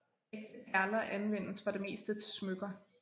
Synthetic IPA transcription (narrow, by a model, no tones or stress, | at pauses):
eɡ̥̚d̥əpʰæɐlɐʔænʋen̰sfɑ̈d̥e̝me̝̰ːsd̥ət͡sʰe̝smøɡ̥ɐ